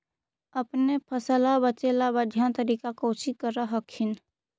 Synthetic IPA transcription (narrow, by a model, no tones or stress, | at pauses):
əpnepʰəsəlabət͡ʃelabəd̪ʱjant̪əɾiːkakoːʃikəɾaɦəkʰɪn